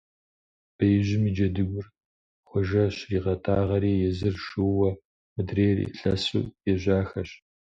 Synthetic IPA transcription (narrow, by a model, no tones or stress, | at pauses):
b̥ɐjʑɪmiːd͡ʒɐdɨɡʷʊr | χʷɔʒɐɕriːʁɐtʰaːʁɐɾiːjɛzɨrʃɨwːɐ | mɨdreːrḭːɬɐsṵːjɛʑʷaːxɐɕ